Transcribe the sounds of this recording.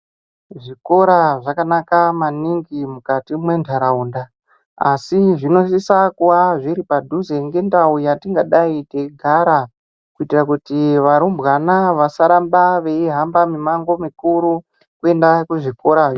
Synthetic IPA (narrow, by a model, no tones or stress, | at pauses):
ʐiko̞ɾaʐakanakamaniŋɡimukatimwe̞ndʰaɾaunda | a̰siʐino̞sisakuwaʐiɾipadʱuzeŋɡe̞ndaujatiŋɡaɗaiteɡʱaɾa | kuitirakutiʋaɾumbɣanaʋasaɾambaʋe̞iɦambamimaŋɡomikuɾu | kue̞ndakuʐiko̞ɾa